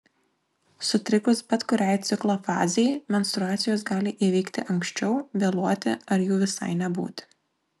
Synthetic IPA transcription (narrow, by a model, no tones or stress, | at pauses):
sʊt̪ʲɾʲɪkʊsbʲɛt̪kʊɾʲɛɪt̪sʲɪklˠoːfɑ̰ːzʲɛjmʲɛnst̪ɾʊɑːt̪sʲɪjoːs̬ɡɑːlʲɪʔiʋʲɛɪkt̪ʲɪʔɐŋkʃʲt͡ʃʲɛʊʋʲeːlˠuɔt̪ʲɪ̰ɐɾjuːʋʲɪsɐ̰ɪnʲɛbṵːt̪ʲ